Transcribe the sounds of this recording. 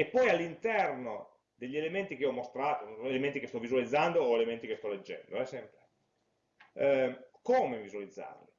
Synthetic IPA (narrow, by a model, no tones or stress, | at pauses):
epːɔjalːint̪ɛrno | d̪eʎːielement̪ik̟eiɔmːost̪ɾaːt̪oelement̪ikest̪ɔvizualid̪zːand̪oːelement̪ikest̪ɔled͡ʒːɛ̰nd̪oɛsɛmpɾe | koːmevizualid̪zːa̰ːrli